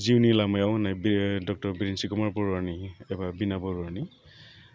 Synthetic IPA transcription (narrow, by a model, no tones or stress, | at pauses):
ziunilamajawnajbdɔk̚tɔɹbiɹinsikɔmaɹpɔɹaɹniɛbabinabɔɹaɹni